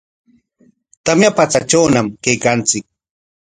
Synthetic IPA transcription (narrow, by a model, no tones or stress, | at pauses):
t̪amjapat͡sat͡ʃawnamkajkant͡sɪk̚